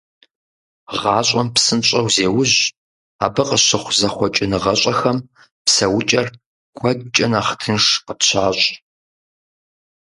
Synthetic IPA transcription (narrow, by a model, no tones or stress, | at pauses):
ʁɑːɕʼɐmpsɨnɕʼɐwzeːwʊʑ | a̰ːbɨqəɕɪχʷzɐχʷɔt͡ʃʼɪnɨʁɐɕʷʼɐxɐm | psɐwʊt͡ʃʼɐr | ɡ̥ʷɔd̚t͡ʃʼɐnaːχtʰɨnʂqəpɕʰaːɕʼ